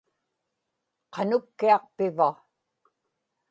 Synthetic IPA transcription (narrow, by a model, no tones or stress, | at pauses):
qʰɑnʊkːiɑq̚pɪva